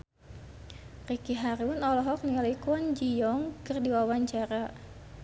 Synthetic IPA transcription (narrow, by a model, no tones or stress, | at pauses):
rikiɦaɾiwʊnɔlɔɦɔk̚niŋalikɔnd͡ʒijɔŋkɨrdiwawaɲt͡ʃaɾa